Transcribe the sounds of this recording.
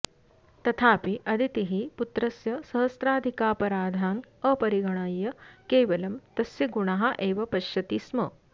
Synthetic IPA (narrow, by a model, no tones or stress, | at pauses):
t̪ɐt̪ʰaːpiʔɐd̪ʱit̪iɦiput̪ɾɐsjɐsɐɦɐst̪ɾaːd̪ʱikaːpɐɾaːd̪ʱaːŋɐpɐɾiɡɐɳ̃aːjːɐkeːʋɐlɐmt̪ɐsjɐɡuɳaɦɐʔeːʋɐpɐʃjɐt̪iːsmɐ